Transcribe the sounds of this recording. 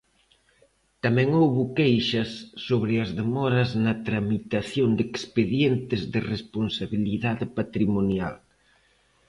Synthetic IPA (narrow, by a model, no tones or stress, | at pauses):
t̪amɛ̃ŋowβokejʃɐsːoβɾɪɐzðemɔɾɐznɐt̪ɾamit̪aθjond̪ekspeðjɛnt̪ɪzðɪresponsaβiliðaðɪpat̪ɾimonja̰l